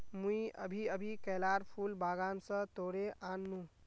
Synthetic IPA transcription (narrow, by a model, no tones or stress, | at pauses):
muiə̰bʱiəbʱikɛːlaːɾpʰuːlbʱaːɡaːnsə̃t̪oːɽeʔaːnːũ